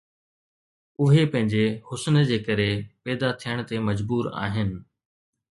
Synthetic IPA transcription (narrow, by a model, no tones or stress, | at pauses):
ʊɦepɐ̃ɦɪ̃ɲd͡ʑehʊsnd͡ʑeːkɐɾepɛːd̪at̪ʰijəɽ̃ə̆t̪emɐd͡ʑbuːɾa̰ːɦɪnɪ̆